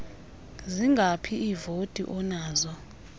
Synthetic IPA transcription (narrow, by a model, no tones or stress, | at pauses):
ziŋɡʱapʰiivotʼḭʔɔnaːzɔ